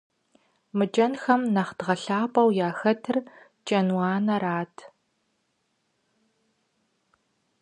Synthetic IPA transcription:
mɨt͡ʃʼɐnxɐmnɐχd̥ʁɐɬaːpʼɐwjaːxɐtʰɨr | t͡ʃʼɐnwaːnɐɾaːtʰ

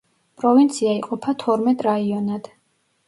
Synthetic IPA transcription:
pʼɾɔvint̪sʰiaiqʼɔpʰat̪ʰɔɾmɛt̪ʼɾaiɔnad̪̥

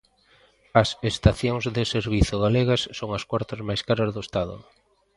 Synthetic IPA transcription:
ɐsest̪aθjoŋzðɪseɾβiθʊɣaleɣɐsːoŋɐskwaɾt̪ɐzmajskaɾɐzðʊest̪aðʊ̰

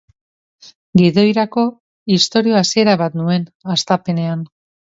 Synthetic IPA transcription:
ɡiðo̞jɾako̞ | ist̪o̞ɾio̞asie̞ɾaβat̪nue̞nast̪ape̞ne̞an

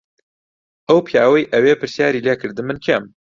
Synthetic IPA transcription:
ʔɐwpʰijaːwɐjʔɐwepɨɾsjaːɾiːleːkʰɨɾd̪ɨmɨnkʰem

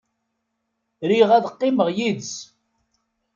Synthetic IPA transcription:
ɾiʁæðqːɪməʁjid̪s

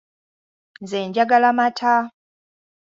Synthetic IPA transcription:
nzeːɲɟaɡalamatʰa

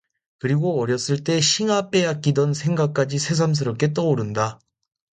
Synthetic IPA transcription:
kɯɾiɡoʌɾjʌs͈ɯɭt͈e̞ɕʰiŋap͈e̞jak̚k͈idʌnsʰe̞ŋɡak̚k͈ad͡ʑisʰe̞s̬ʰams̬ʰɯɾʌp̚k͈e̞t͈ʌoɾɯnda

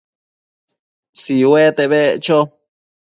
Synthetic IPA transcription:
siwet̪eβet͡ʃo

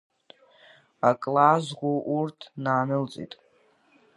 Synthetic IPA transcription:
akʼlazɡʷoʔurtʰnaːnɨlt͡sʼḭtʼ

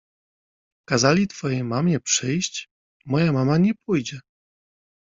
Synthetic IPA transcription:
kazalʲit̪fɔjejmamʲɛpʂɘjɕt͡ɕ | mɔjamamaɲɛpujd͡ʑɛ

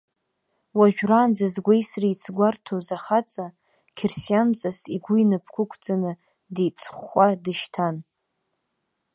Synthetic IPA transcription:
waʒᶣraːnd͡zazɡʷejsrijt͡sʰɡʷartʰozaχat͡sʼa | kʲʰersijant͡sʼasiɡʷʊinɨpʰkʷʰʊkʷʰʼd͡zʼanɨ | dijt͡sʰʼχʷadɨʃtʰan

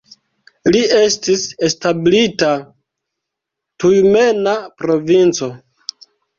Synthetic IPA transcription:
lie̞stise̞stablita | tujme̞napɾo̞vint͡so̞

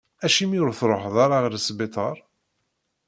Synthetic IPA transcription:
æʃimiɾθɾˤoħðˤaɾˤaʁəɾsbet̪ˤəɾˤ

